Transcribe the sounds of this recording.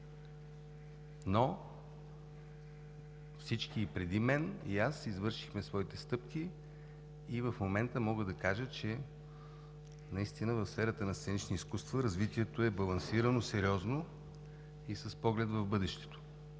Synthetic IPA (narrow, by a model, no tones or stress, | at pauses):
no | fsit͡ʃkiːpɾɛd̪imɛnḭasizvɤɾʃi̥xmɛsvɔit̪ɛst̪ɤpkiː | vəfmomɛnt̪əmɔɡəd̪ɐkaʒət͡ʃɛ | nɐist̪inəvəfsfɛɾət̪ənɐst̪sɛnit͡ʃniiskust̪vəɾɐzvit̪iɛt̪oɛbɐlˠɐnsiɾənosɛɾʲiɔzno | isəspɔɡlɛd̪vɐvbɤd̪ɛʃt̪ɛ̥t̪o̥